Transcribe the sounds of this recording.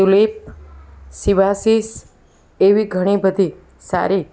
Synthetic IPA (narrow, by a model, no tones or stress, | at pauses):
ulip̚ | siʋasis | eʋiɡʱəɽ̃ibəd̪ʱi | sa̰ɾi